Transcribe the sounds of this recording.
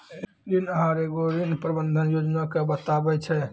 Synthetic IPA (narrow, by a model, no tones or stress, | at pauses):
e | d̪inəɦãɾeɡoɾinpɾəbənd̪ʱənjod͡ʒnakebət̪abɛt͡ʃʰɛ